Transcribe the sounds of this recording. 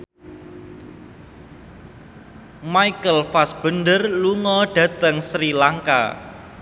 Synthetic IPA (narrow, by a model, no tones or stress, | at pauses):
maikəlfasb̥ə̤nɖ̪ərluŋɔɖ̥ä̤t̪əŋsɾilaŋka̰